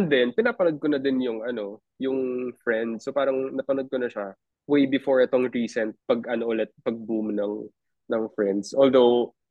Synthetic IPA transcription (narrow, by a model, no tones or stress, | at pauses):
ɛnd̪ɛnpɪnaːpɐnod̪̚konɐd̪ɪnjʊŋʔɐno̞ | jʊŋfɹɛnd̪sːopaːɾɐŋnɐpɐnod̪̚konɐʃa | wejbɪfoɹɛt̪oŋɹiːsɛnt̪̚pɐɡʔɐnoʔʊlɛt̪̚pɐɡ̚bumnɐŋ | nɐŋfɹɛnd̪sʔold̪ow